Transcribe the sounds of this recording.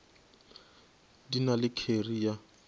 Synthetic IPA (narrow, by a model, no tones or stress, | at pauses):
dinalɪkʰerija